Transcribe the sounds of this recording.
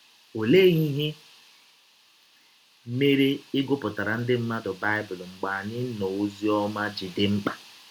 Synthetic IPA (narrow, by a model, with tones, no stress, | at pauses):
o˨le˦ɣi˦ɦe˦ | me˦ɾe˦ɪ˦ɡʊ˦pʊ˨ta˨ɾa˨n̩˦dɪ˦m̩˦ma˦dʊ˨ba˦ɪ˦bʊ˨lŋ͡m̩˨ɡ͡ba˨ɲɪ˦no˨u˦zi˦ɔ˦ma˦d͡ʒi˨dɪ˦ŋ͡m̩˦k͡pa˨